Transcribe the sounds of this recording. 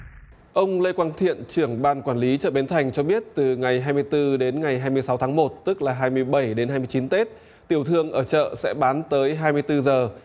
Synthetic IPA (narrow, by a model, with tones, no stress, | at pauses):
ʔə˧wŋ͡mle˧jkwaː˧nt̪ʰḭ˧˨ənt͡ɕɨ˧˩əŋɓaː˧˩nkwaː˧˩nli˨˦t͡ɕə̰ː˧˨ɓe˨˦nt̪ʰa˨˩jŋ̟t͡ɕɔ˧ɓi˦˥ət̚t̪ɨ˨˩ŋa˨˩jɦaː˧jmɨ˧əjt̪ɨ˧ɗe˨˦nŋa˨˩jɦaː˧jmɨ˧əjsa˨˦wt̪ʰaː˨˦ŋmo˨˩t̚t̪ɨ˦˥k̚laː˨˩ɦaː˧jmɨ˧əjɓə˧˩jɗe˨˦nha˧jmɨ˧ət͡ɕi˨˦nt̪e˦˥t̚ | t̪i˧˩əwt̪ʰɨ˧əŋʔəː˧˩t͡ɕə̰ː˧˨sɛ̰˧˥ɓaː˨˦nt̪əː˨˦jɦaː˧jmɨ˧əjt̪ɨ˧zəː˨˩